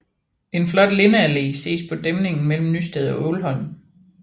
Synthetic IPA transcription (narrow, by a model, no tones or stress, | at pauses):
e̝nflɒ̽d̥le̝nəælḛːse̝̰ːspʰɒ̽d̥emne̝ŋn̩mel̰m̩nysd̥ɛðˠɒ̽ʔɔʊlɦɒ̽n̰